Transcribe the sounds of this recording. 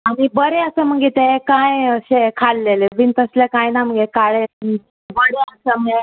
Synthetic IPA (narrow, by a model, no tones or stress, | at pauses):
aɽ̃ibəɾeəsəm̤əɡɡet̪ekãjəɕekʰalːelebint̪əslekãjnam̤əŋɡekaɭe | bəɽeəsəməɡe